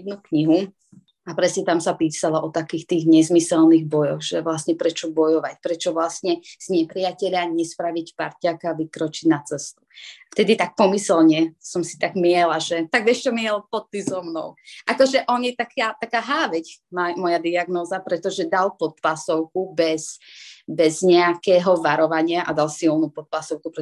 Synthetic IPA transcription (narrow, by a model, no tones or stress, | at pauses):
d̪nukɲiɦu | apɾɛsɲɛt̪amsapiːsalaʔɔt̪akiːxt̪iːɣɲɛzmisɛlniɣbɔjɔɣʒɛʋlasɲɛpɾɛt͡ʃɔbɔjɔʋacpɾɛt͡ʃɔʋlasɲɛz̥ɲɛpɾijacɛʎaɲɛspɾaʋicpaɾcakaʋikɾɔt͡ʃiɟnat͡sɛst̪u̥ft̪ɛd̪it̪ak̚pɔmisɛlɲɛsɔmsi̥t̪aɡmɪɛlaʒɛt̪aɡ̚ɛʃt͡ʃɔmɪɛlpɔt̪ːizɔmnɔ̰ʊʔakɔʒɛʔɔɲɛt̪akʰat̪akaːɦaːʋɛcmamɔjad̪iaɡnɔːzapɾɛt̪ɔʒɛd̪alpɔt̪lasɔʊkubɛsbɛzɲɛakɛːɦɔʋaɾɔʋaɲɪaʔad̪alsilˠnupɔt̪̚plasɔʊkupɾɛ